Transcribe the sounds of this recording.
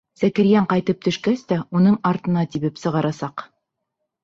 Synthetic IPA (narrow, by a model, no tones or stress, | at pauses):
sækɘ̆ɾjæɴqɑjt̪ɤp̚t̪ɵ̆ʃkæst̪æunɤɴɑɾt̪ɤ̆nɑt̪iβɘpsɤ̆ʁɑɾɑsɑq